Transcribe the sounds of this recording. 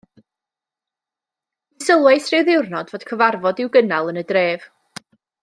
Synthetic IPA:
ɪsəlˠwɛjsrɪwðɪwrnɔdvoːd̥kʰəvarvɔdɪwɡənalˠənədreːv̥

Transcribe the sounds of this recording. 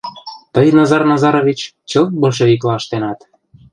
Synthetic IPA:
t̪əjnɑzɑrnɑzɑɾoβit͡ɕ | t͡ɕəlt̪̚bolʃ̬eβik̬lɑəʃt̪enɑt̪

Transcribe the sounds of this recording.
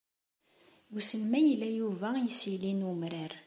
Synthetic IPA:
ɡusənmæjəlːæjuvæjəsilinumɾaɾ

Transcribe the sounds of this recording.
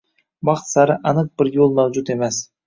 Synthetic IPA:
bɑqt̪sɑɾəʔɑnət̪̚b̥ɪɾjolˠmæwd͡ʒut̪e̞mes

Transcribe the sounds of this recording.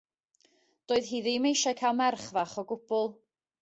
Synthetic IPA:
d̥oːɨðɦiːðimejʃakʰalˠmɛrχvaχɔɡʊb̥ʊlˠ

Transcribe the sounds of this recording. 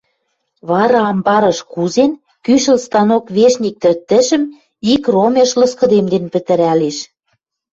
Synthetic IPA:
βɑɾɑːmbɑɾɤ̆ʃkuzen | kyʃə̆lst̪ɑnokβeʃnʲik̚t̪ɘ̆rt̪ːɘ̆ʃə̆m | ikromeʃlɤ̆skɤ̆d̪emd̪enpə̆t̪ɘ̆ɾæleʃ

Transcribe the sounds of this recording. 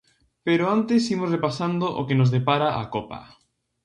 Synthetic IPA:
peɾoant̪esimosrepasand̪oʔo̰kenozðepaɾaʔa̰kopa̰

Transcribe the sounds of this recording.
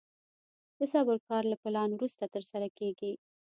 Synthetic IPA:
d̪̥əsɑbəɾkɑɾlapɪlɑnwɾust̪at̪əɾsaɾakeɡi

